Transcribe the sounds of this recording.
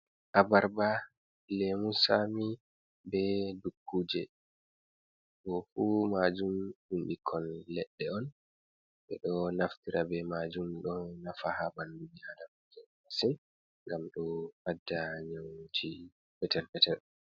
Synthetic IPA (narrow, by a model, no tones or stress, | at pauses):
ʔabaɾba | lemusami | bɛdukːuːd͡ʒɛ | ɡɔfumad͡ʒumhinɗikʰːɔlːɛɗːɛɔn | ɓɛ̰ɗɔnaftiɾʔabɛmad͡ʒumɗɔnafahabandud͡ʒihadamad͡ʒɛmasin | ŋɡamɗɔwadːaɲawd͡ʒi | fɛtɛɾbɛtɛɾ